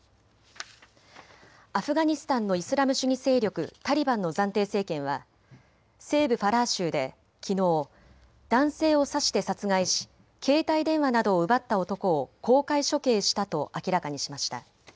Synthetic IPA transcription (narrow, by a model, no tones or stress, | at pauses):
aɸɯ̟ɡaɲ̟isɨ̥t̪ãnːo̞isɨɾamɯ̟ɕɨɲ̟ise̞ːɾʲo̞kɯ̟̰t̪aɾʲibãnːo̞zãnt̪e̞ːse̞ːkẽ̞ɰ̃βa̰ | se̞ːbɯ̟ɸaɾaːɕɨːd̪e̞̰ | kʲʰino̞ː | d̪̥ãɰ̃se̞ːo̞saɕi̥t̪e̞sat͡sɨɡaiɕi̥ | kʰe̞ːt̪aid̪ẽ̞ɰ̃βanad̪o̞ːɯ̟bat̪ːao̞t̪o̞ko̞ːko̞ːkaiɕo̞ke̞ːɕi̥t̪at̪o̞ʔakʲiɾakaɲ̟iɕimaɕi̥t̪a̰